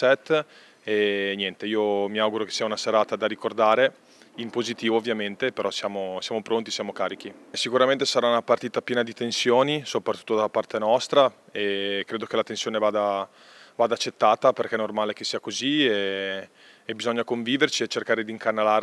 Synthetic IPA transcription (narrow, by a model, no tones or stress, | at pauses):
sɛt̪ː | enjɛnt̪eiːomiawɡuɾoke̥sːiːaunaseɾaːt̪ad̪aɾikord̪aːɾe | impozit̪iːvovːjament̪epeɾɔsjaːmosjaːmopɾont̪isjaːmokaːɾik̟isikuɾament̪esaɾaunapart̪iːt̪apjɛːnad̪it̪ensjoːnisopɾat̪ːu̥t̪ːod̪apart̪enɔst̪ɾa | ekːɾeːd̪ok̟elat̪ensjoːnevaːd̪a | vaːd̪aːt͡ʃːet̪ːaːt̪aperkɛnormaːlek̟esiːakozieː | bizɔɲːakoɱviːvert͡ʃiet͡ʃːerkaːɾed̪iŋkanːalaː